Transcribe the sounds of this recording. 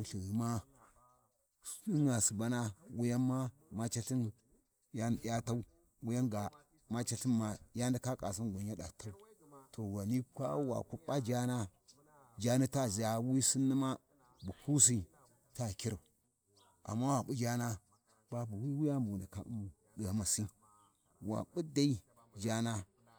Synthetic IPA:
u˨ɬi˨ɣi˨ma˦ | i˦ŋa˨si˨ba˦na˦wu˦ja˦mːa˦ma˦t͡ʃa˦ɬi˦n | ja˦˨ja˦ta˦u˦ | wu˦ja˦nɡa˨ | ma˦t͡ʃa˦ɬi˦na˨ja˦nda˦ka˦kʼa̰˨s̬i˦nɡʷa˨ɲ˦a˦ɗa̰˨ta˦u˦to˨wa˨ni˦kʷa̰˦wa̰˨ku˦ɓa˦d͡ʒa˦na˦ | d͡ʒa˦ni˦ta˦˨zi˨ja˨wi˦si˦nːi˦ma˦ | bu˨ku˦s̬i˦ | ta˦ki˦ɾa˨ | ʔa̰˨mːa˦wa˨ɓu˦d͡ʒa˦na˦ | b̥a˦bu˨wi˦wi˦ja˦mbu˨na˨ka̰˨u˦mu˨ | ɗə˨a˨ma˨si˦ | wa̰˨ɓu˦da˦i˦ | d͡ʒa˦na˦

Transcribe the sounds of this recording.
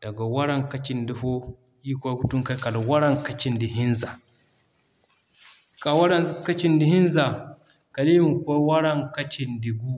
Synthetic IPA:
d̥a˨ɡa˨wa˦ɾa˦ŋka˦t͡ʃi˨ndi˦fo˦ | i˦kʷa˦ɡu˦tu˦ŋka˦ka˨la˨wa˦ɾa˦˨ŋka˨t͡ʃi˦ndi˨ɦi˦nza˨ | kʼa˨wa˦ɾa˦nzka˦t͡ʃi˦ndi˦hi˦n˦za˨ | ka˨li˦mu˨kʷa˦wa˦ɾa˦ŋka˦t͡ʃi˦ndi˨ɡu˦

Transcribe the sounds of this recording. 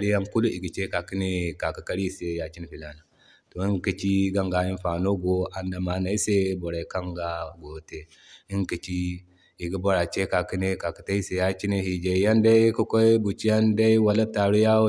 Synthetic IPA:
ɾi˦ja˦ŋku˦lu˦i˨ɡi˨t͡ʃe˦ka˨ki˦ne˦ka˨ki˨ka˦ɾi˦˨se˨ja˨t͡ʃi˦n˨fi˨la˨˦na˨ | to˨i˦ŋki˨t͡ʃi˦ɡa˦ŋɡa˨i˦n˦fa˨no˦ɡo˨ʔa˨nda˨ma˨˦na˨i˦se˦bo˨ɾa˨i˨ka˦ŋɡa˦ɡo˨te˨ | i˦ŋki˨t͡ʃi˦ | i˨ɡi˦bo˦ɾa˨t͡ʃe˦ka˨ki˦ne˦ka˨ki̥˨ta˦i˦se˨ja˦t͡ʃi˦ne˦hi˨d͡ʒe˨ja˦nda˦i˦ku˦ko˦i˦bu˨t͡ʃi˦ja˦nda˦i˦wa˨la˦ta˨ɾu˦ja˦

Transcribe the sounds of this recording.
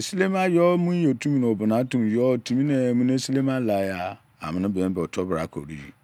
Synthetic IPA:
e˨si˦le˦m˦a˦jɔ˦mũ˦je˨tʰu˦mĩ˦n˨o˨bʊ˨nã˨˦tũ˦m˨jɔ˦˨tʰũ˦mĩ˦nẽ˨mũ˦n˦e˦si˦le˦mã˦la˨˦ja˦ | a̰˨mɪ̃˨nɪ̃˦bɛ˨ɛ̃˨˦bɛ˨ɔ˨tʰɔ˦bɾa˨˦kʰo̰˨ɾḭ˦jḭ˨

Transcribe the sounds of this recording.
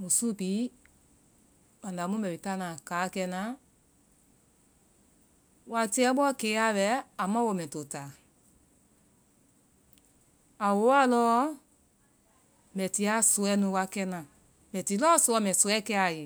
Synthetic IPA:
mũ˨su˦pi˨˦ | mã˨da˨˦mũ˦mɛ̃˨i˨ta˦nã˨kaː˨˦kɛ˧nã˦ | wa˧ti˦ɛ˦ɓɔ˦keː˨˦a˦wɛ˨˦a˨mã˦wo˧˨mɛ̃˨to˨taː˨ | a˨wo˨˦wa˦lɔː˦ | mɛ̃˨ti˧˦a˦so˧˦ɛ˦nũ˧˦wa˧kɛ˧nã˨ | mɛ̃˨ti˨˦lɔː˦so˧ɔ˧˦mɛ̃˨so˨˧ɛ˦kɛ˧˦a˨je˨

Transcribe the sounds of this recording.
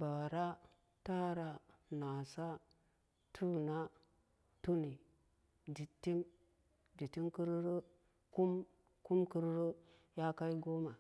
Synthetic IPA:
ba˨ɾa˦ | ta˦ɾa˨na˨sa˦ | tʰu˦na˦ | tu˦ni˨ | di˨tːi˦m | di˨ti˦mki˦ɾɾə˦ | ku˦m | ku˦mku˦ɾɾə˦ | ja˦ka˦i˦ɡo˦ma˨

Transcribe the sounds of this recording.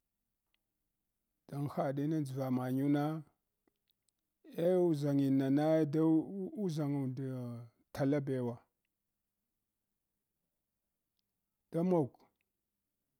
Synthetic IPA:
d̥a˨ŋxa˨ɗi˦na˦d͡zi˨va˨ma˨ɲu˦na˦ | e˦u˦za˨ŋi˨na˨na˦da˦u˦za˨ŋu˨da˨ | ta˨la˦be˨wa˨ | d̥a˦mo˨k

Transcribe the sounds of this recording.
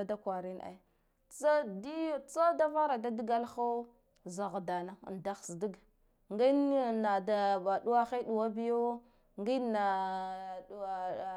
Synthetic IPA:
a˦da˦kwa˨ɾi˦na̰˨˦ | t͡sa˦di˦t͡sa˦da˦va˦ɾa˨da˦di˦ɡa˦lxa˦ | za˨ɣda˨na˦˨nda˦xsdi˦ɡ | ŋɡi˦˨na˨da˨ba˨ɗu˦a˦xe˦ɗu˨wa˦bi˦jo˦ | ŋɡi˦na˨

